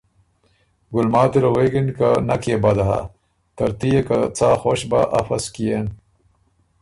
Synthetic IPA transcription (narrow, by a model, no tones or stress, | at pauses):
ɡulmaːt̪iɾoweɡinkanɐkebɐd̪ɐɦa̰ | t̪ɐɾt̪ijekat͡saːxoːɕba̰ʔɐ̰fɐskijen